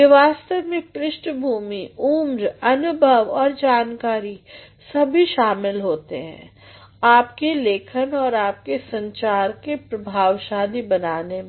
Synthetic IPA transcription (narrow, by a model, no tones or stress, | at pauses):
ɪʋaːst̪əʋmẽkɾɪʃʈbʱuːmiuːmɾɐnʊbʱəʋɔːɾd͡ʒaːnkaːɾi | sɐbʱiʃaːmɪlɦoːt̪eɦɛ̰̃ː | aːpkeleːkʰənɔːɾaːp̚kesɐ̃ɲt͡ʃaːɾkepɾɐbʱaːʋʃaːd̪ibɐnaːne